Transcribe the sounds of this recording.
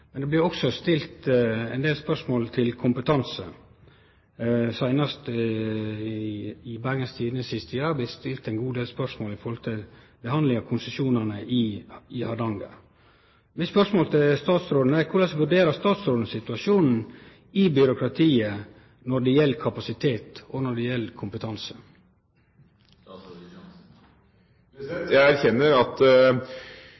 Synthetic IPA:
mɛnd̪ɛblɪɾɔksɔst̪ɪlt̪ɛɪnd̪eːlspœʂmoːlt̪ʰɪlkʰʊmpət̪ʰɑnsə̰ | sæɪnɑst̪ | ɪbæɾɡəst̪ʰiːd̪ənəsɪst̪ʰjɑːɑb̪ɪt̪st̪ɪlt̪æɪnɡuːd̪eːlspœɾʂmoːlɪfɔɾhɔlt̪ʰɪl | bɛhɑnd̪lɪŋɑkʰʊnsəsuːnɑnəʔɪɪhɑd̪ɑŋɡɑ̰ | mɪspœɾʂmoːlt̪ʰɪlst̪ɑːt̪sɾoːd̪n̩ækʰʊlɑsʋʉɖeːɾəst̪ɑːt̪sɾoːd̪n̩sɪt̪ʉɑʂjuːnn̩ | ɪbʏɾʊkʰɾɑt̪ʰiːə | nɔɖɛjɛlːkʰɑpɑsɪt̪ʰeːt̪ɔnɔɖɛjɛlːkʰʊmpət̪ʰɑnsə | jææɾçɛnːəɾɑt̪

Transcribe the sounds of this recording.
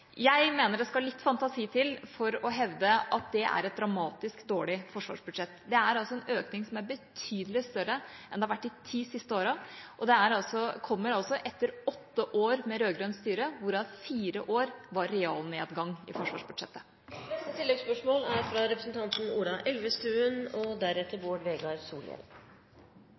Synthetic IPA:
jæɪmeːnəɖ̪ɛskɑllɪt̪ːfɑnt̪ɑsiːt̪ʰɪlfɔɾɔɦɛʋd̪əʔɑt̪̚d̪ɛʔæ̰ɾɛt̪̚d̪ɾɑmɑːt̪ɪskd̪oːɭɪfɔʂʋɑ̰ːʂbʉd̪ʂɛt̪ːd̪ɛæɾɑlsɔɛnøːknɪŋsɔmæɾbət̪ʰyːd̪əlɪst̪œɾəʔɛnd̪ɛhɑɾʋæʈːɪt̪ʰiːsɪst̪əoːɾɑʔɔd̪ɛæɾɑlsɔkʰɔmːəɾɑlsɔʔɛt̪ːəɾɔt̪ːəʔoːɾmɛɾøːɡɾœnst̪yːɾəʋʊɾɑfiːɾəʔoːɾʋɑɾːɛɑːlneːd̪ɡɑŋːɪ̰fɔʂʋɑ̰ːʂbʉd̪ʂɛt̪ːə̥ | nɛst̪ət̪ʰɪlːɛɡspœʂmoːlæɾfɾɑɾɛpɾəsnt̪ʰɑnt̪n̩uːlɑʔɛlʋəst̪ʉːənɔd̪æɾɛt̪ːəɾboːɖʋeːɡɑɾsṵːljɛ̰l

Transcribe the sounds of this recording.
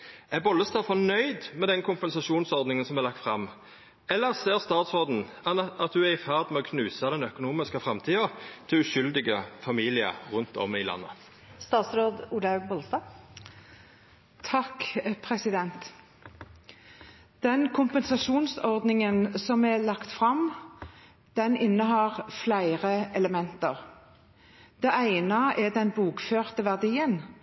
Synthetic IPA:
ʔæbɔlːəst̪ɑːfɔnœʏd̪mɛd̪ɛnkʰʊmpɛnsɑʃuːnsɔʁd̪nɪŋənsɔmɛʁlɑk̚t̪fʁɑmː | ɛlːəʁseːʁst̪ɑːt̪sʁoːd̪n̩ɑt̪̚d̪ʉæʁɪfæːʁd̪mɛɔkʰnʉːsɑd̪ɛnœkʊnuːmɪskəfʁɑmt̪ʰiːɑt̪ʰɪlʉʃʏld̪ɪɡəfɑmiːlɪə̰ʁʉnt̪ɔ̰mɪlɑ̰nːə̰ | st̪ɑːt̪sɾoːd̪uːlɑʉɡbɔlst̪ɑ | t̪ʰɑkpʰʁɛsɪd̪ɛnt̪ | d̪̥ɛnkʰʊmpənsɑʃuːnsɔʁd̪nɪŋənsɔmɛlɑkt̪fʁɑm | d̪̥ɛnɪnːəɦɑːʁflæɪʁəɛləmɛnt̪əʁ | d̪̥ɛʔæɪnəɛd̪ɛnbuːkføːʁt̪əʋæʁd̪iːən

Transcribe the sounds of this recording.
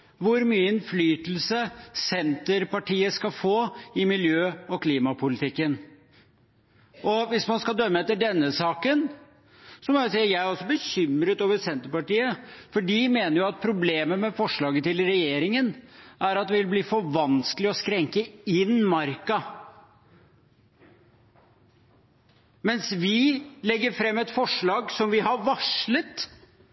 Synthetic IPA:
ʋʊɾmyːəɪnflyːt̪l̩səsɛnt̪əɾpɑʈiːəskɑfoːɪmɪljøːɔkʰliːmɑpʰʊlɪt̪ʰɪkːən | ɔʋɪsmɑnskɑld̪œmːəɛt̪ːəɖɛnːəsɑːkən | sɔmɔɛsiːəjæɪæɾɔsːɔbəçʏmɾət̪oːʋəsɛnt̪əɾpɑʈiːəfɔɖimeːnəɾjʊɑt̪̚pʰɾʊbleːməmɛfɔʂɭɑːɡət̪ɪlɾɛjeːɾɪŋənʔæɾɑt̪̚d̪ɛɪʋɪlbliːfɔʋɑnskəlɪɔskɾɛŋkəɪnmɑɾkɑ | mɛnsʋɪlɛɡːəɾfɾɛmːɛt̪fɔʂɭɑːɡsɔmʋɪɦɑɾʋɑʂɭət̪

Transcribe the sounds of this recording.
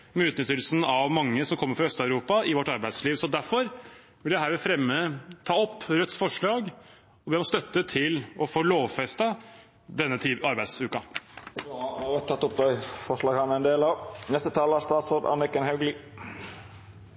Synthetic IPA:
mɛʉːt̪nʏt̪ːəlsnɑʋmɑŋːəsɔmkʰɔmːəɾfɾɑœst̪ɑʉɾuːpɑɪʋɔʈːɑɾbæɪd̪sliːʋsɔd̪æɾfɔɾ | ʋɪld̪æɦæːɾʋɛfɾɛmːət̪ʰɑːɔpːɾœt̪sfɔʂɭɑːɡ | ɔbɛɔst̪œt̪ːət̪ʰɪlɔfoːloːʋfɛst̪ɑ | d̪ɛnːət̪ʰiːɑɾbæɪd̪sʉːkɑ | ɾɛt̪ʰːɑt̪ːʊp̚d̪ɛɪfɔʁʂlɑːɡhɑnɛnd̪eːlɑʋnɛst̪ət̪ʰɑːlɑst̪ɑːt̪sod̪ɑ̰nɪkənhɑʉɡli

